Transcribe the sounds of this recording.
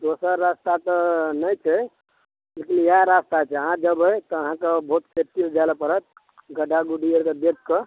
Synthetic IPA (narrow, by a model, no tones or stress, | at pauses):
d̪osəɾːast̪at̪ənəjt͡ʃʰɛ | lekinjaɾast̪at͡ʃʰɛəɦãd͡ʒəbəjt̪ɔəɦãkebʱot̪sep̚ʈild͡ʒaləpəɾət̪̚ | ɡəɖʱaɡuɖiəɾked̪ekkːə